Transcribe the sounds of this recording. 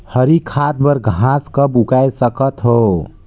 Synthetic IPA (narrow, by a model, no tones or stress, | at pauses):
həɾikʰat̪̚bəɾɡʱãskəbukajsəkət̪ɦo